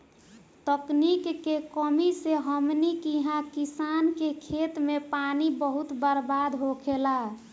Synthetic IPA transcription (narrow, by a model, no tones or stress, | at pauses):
t̪əknikːekəmiseɦəmnikiɦãkisankekʰet̪mepanibəɦut̪bəɾbad̪ɦokʰela